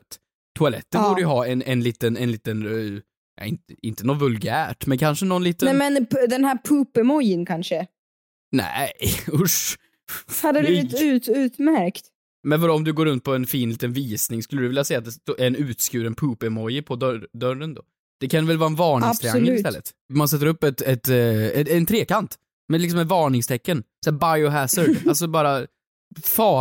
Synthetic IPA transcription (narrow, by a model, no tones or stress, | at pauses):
t̪ | t̪ʰːʊalɛ̰t̪ːənbːuːɖəjɵɦɑːɛnɛnliːt̪ənɛnliːt̪ən | jʔɑ̰ɪnt̪ɪnt̪ənɔt̪vɵlɡæːʈmɛnkʰanʂənɔnliːt̪əɛmɛnd̪ɛnhæːɾpʰʉːpəɾmɔjənkʰanʂə | næ̰ɪʊʂ | had̪ːəd̪ʉ̟ːt̪ʉ̟ːt̪mæɾkt̪ | mɛnvɑd̪ɔɔmd̪ɵɡoːɾɵnt̪̚pʰɔɛnfiːnliːt̪ənviːsnɪŋskɵləd̪ɵvɪljasɛjːat̪̚d̪ɛst̪ːɛnʉ̟ːt̪skʉ̟ːɾɛnpʰʉːpəmɔjːəpʰɔd̪d̪œɾənd̪o̰ː | d̪̥ɛkʰanvɛlvɑːɛnvɑːɳɪŋt̪ɾɪaŋːəlʉɪst̪ɛlːə̰t̪ | mans̬ɛt̪ːəɾɵpːɛt̪ɛt̪ɛɛnt̪ʰɾeːkant̪ | mɛlɪks̬ɔmɛvɑːɳɪŋst̪ʰɛkːənsæːbajʊɦæsəlalsɔbɑːɾa | fɑː